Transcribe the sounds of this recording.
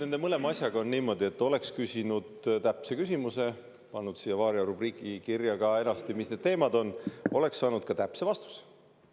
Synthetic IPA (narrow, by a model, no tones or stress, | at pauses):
ne̞nd̪e̞mɤle̞mɑɑsʲjɑɡ̥ɑo̞nniːmo̞d̪ie̞t̪ːˑo̞le̞kskysʲinud̪̥t̪æpse̞kys̬ʲimuse̞ | pɑnːud̪̥sijːɑvɑːɾjɑɾub̥riːkikirjɑɡ̥ɑe̞nɑst̪imisne̞d̪̥t̪e̞ːmɑd̪o̞nːo̞le̞ksːɑːnud̪̥̚kɑt̪æpse̞vɑst̪u̥se̥